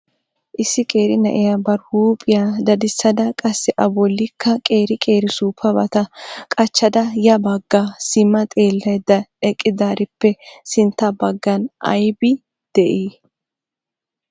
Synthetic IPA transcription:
ʔɪsːɪkʼeːɾɪnɐʔɪjabɐɾhuːpʼɪjad̪ɐd̪ɪsːɐd̪ɐkʼɐsːɛʔɐbɔlːɪkʰːɐkʼe̞ːɾɪkʼe̞ːɾɪsuːpʰːɐbɐt̪ɐkʼɐt͡ʃːɐd̪ɐjɐbɐɡːasɪmːɐt̪ʼe̞ːlːɐjd̪ɐɛkʼːɪd̪aːɾɪpːɛsɪnt̪ːɐbɐɡːɐnʔɐ̰jbɪ | d̪̥ɛʔiː

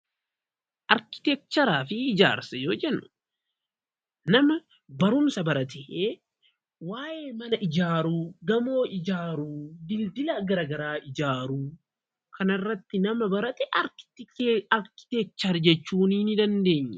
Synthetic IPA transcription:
ʔɐɾkɪ̥t̪ɛk̚t̪ːɐɾaːfɪɪd͡ʒa̰ːɾsɐjoːd͡ʒɛnːʊ̥ | nɐmɐ | bɐɾʊmsɐbɐɾɐt̪ɛʔeː | waːje̞ːmɐnɐʔɪd͡ʒaːɾuːɡɐmo̞ːʔɪd͡ʒaːɾuːd̪ɪld̪ɪlɐɡɐɾɐːɡɐɾaːʔɪd͡ʒaːɾuː | kʰɐnɐrːɐt̪ːɪnɐmɐbɐɾɐt̪ɛʔɐɾkɪ̥t̪ɪɐɾkɪ̥t̪ɛk̚t͡ʃːɐɾd͡ʒɛt͡ʃːuːninɪd̪ɐnd̪e̞ːɲːɛ

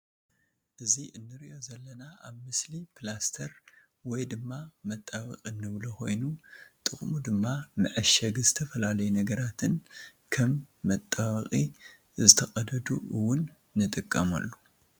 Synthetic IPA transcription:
ʔɨziʔɨnːɨɾiʔo̞zɐlːɐnaaβmɨslipʰlast̪ʰɐɾ | wɔjd̪ɨmːamɐt̪ʼːaβɐ̰qʼinːɨβlokʰo̞̰jnut̪ʼɨχʼmud̪ɨmːamɨʕɨʃɐɡzɨt̪ʰɐfɐlalɐjunɐɡɐɾat̪ʰɨn | kʰɐmːɐt̪ʼːaβɐχʼi | zɨt̪ʰɐkʼɐd̪ɐd̪uɨwːʊnː | ɨt̪ʼɨkʼːɐmɐ̰lːo

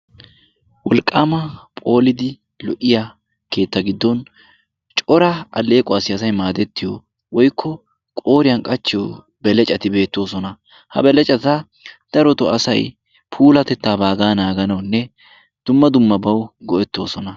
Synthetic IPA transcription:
wɔlkʼːaːmɐpʼo̞ːlɪd̪ɪ | lɔʔɪja | ke̞ːt̪ːɐɡɪd̪ːɔn | t͡ʃʼɔɾɐɐle̞ːkʼɔɐsɪɐsɐjmaːd̪ɛt̪ːɪjɔ | wɔjkʰːɔ | kʼo̞ːɾɪjɐnkʼɐt͡ʃːɪjɔ | bɛlɛt͡ʃʼɐt̪ɪbe̞ːt̪ːo̞ːsɔnɐ | hɐ̰bɛlɛt͡ʃʼɐt̪ɐ | d̪̥ɐɾɔt̪ɔɐsɐj | pʰuːlɐt̪ɛt̪ːaːbaːɡaːnaːɡɐnɐwnːɛ | d̪̥ʊmːɐd̪ʊmːɐbɐwɡɔʔɛt̪ːo̞ːsɔnɐ

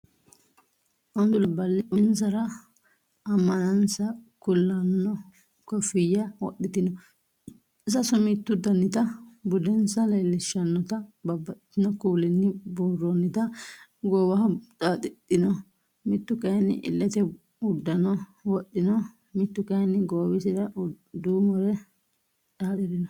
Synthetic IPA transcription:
ʔɔnd̪ʊlɐbɐlːɪʔʊns̬ɐɾɐ | ɐmːɐnɐnsɐkʊlːɐnːɔ | kɔfɪjːɐwɔ̰ɗɪt̪ɪnɔ | ɪsɐsɔmɪt̪ːʊd̪ɐnːɪt̪ɐbʊd̪ɛnsɐlelːɪʃːɐnːɔt̪ɐbɐbːɐt̪ɪ̥t̪ːɪnɔkuːlɪnːɪbuːrːɔnːɪt̪ɐɡoːwɐɦɐtʼat̪ʼɪt̪ʼːɪnɔ | mɪt̪ːʊkɐjnːɪ̰ʔɪ̰lːɛt̪ɛ | ʊd̪ːɐnɔwɔɗːɪnɔ | mɪt̪ːʊkɐjnːɪɡoːwɪsɪdɐ | d̪uːmɔɾɛ | ᶑaːᶑɛd̪ɪnɔ

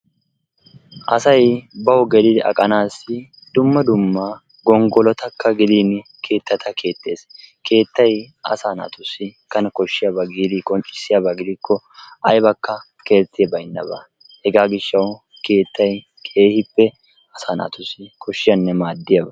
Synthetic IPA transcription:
ʔɐsɐjbɐwʊɡɛd̪ɪd̪ɛɐ̰kʼɐnaːsːɪ | d̪̥ʊmːɐd̪ʊmːɐ | ɡɔŋɡɔlɔt̪ɐkːɐɡɪd̪iːn | kʰe̞ːt̪ːɐt̪ʰɐkʰe̞ːt̪ːe̞̰ːske̞ːt̪ːɐj | ʔɐ̰saːna̰ːt̪ʊsːɪkɐnkɔʃːɪjɐbɐɡiːd̪ɪkʼɔnt͡ʃʼɪ̥sːɪjabɐɡɪd̪ɪkːɔ | ʔɐjbɐkːɐ | ke̞ːt͡sːɪjɐbɐjɪnːɐ̰bɐ̰ | hɛɡaːɡɪʃːɐw | ke̞ːt̪ːɐj | kʰe̞ːhɪpːɛ | ɐsaːna̰ːt̪ʊsːɪkʰɔʃːɪjɐnːɛmaːd̪ːɪjɐbɐ

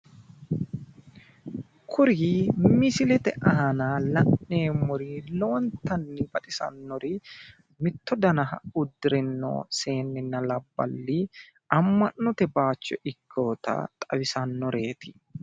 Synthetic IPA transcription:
kʰʊɾiːmɪsɪlɛt̪ɛʔɐɦɐnaːlɐnːe̞ːmʊɾiːloɔnt̪ɐnːɪbɐt̪ʼɪsɐ̰nːɔɾɪ | mɪt̪ːɔd̪ɐnɐɦɐ̰ʊd̪ːɪɾɛnːo̰ːse̞ːnːɪnːɐlɐbːɐ̰lːi | ɐmːɐnːɔt̪ɛbaːt͡ʃːɔʔɪkʰːoːt̪ɐ̰t̪ʼɐ̰wɪsɐnːɔɾe̞ːt̪ɪ̥

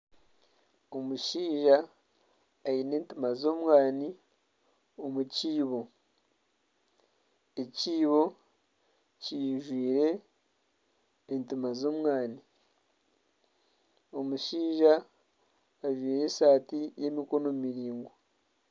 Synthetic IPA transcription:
omuʃiːʒaː | ine̞ːntimazo̞ːmwaːni | omuciːβo̞ | eciːβo̞ | ciʒwiːɾe̞ | ntimazo̞ːmwaːni | omuʃiːʒaː | ʒwiːɾe̞saːtije̞miko̞no̞mumiɾiːŋɡo

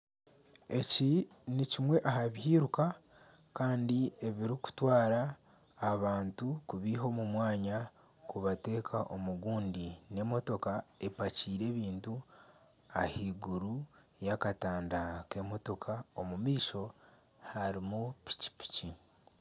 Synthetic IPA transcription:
e̞ci | nicimwe̞ʔaɦaβihiːɾuka | kaːndie̞βiɾiku̥twaːɾaː | βaːntukuβiɦo̞mumwaːɲa | kuβate̞ːkʰaʔo̞muɡuːndine̞mo̞to̞kae̞paciːɾe̞ːβiːntu | a̰hiːɡuɾujakataːndake̞mo̞to̞kʰaomumiːʃo̞ | haɾimupi̥ci̥pi̥ci

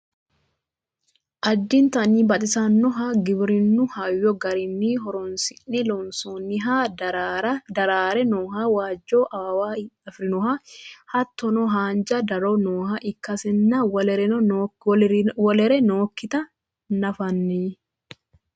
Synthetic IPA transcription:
ʔɐd̪ːɪnt̪ɐniːbɐt̪ʼɪsɐnːɔɦaɡɪbɾɪnːʊhajːɔɡɐɾɪnːiːɦɔɾɔnsɪnːɪlɔnsoːnːɪɦa | ɐd̪ɐɾaːɾɛnoːɦawaːd͡ʒːoːʔɐwaɐfɾɪnɔhɐhɐt̪ʰːɔnɔɦaːnd͡ʒɐd̪ɐɾɔnoːhɐʔɪkːɐsɛnːɐwɛɾɛ | wɔlɛɾɛnoːkːɪt̪ɐ | nɐfɐnːi

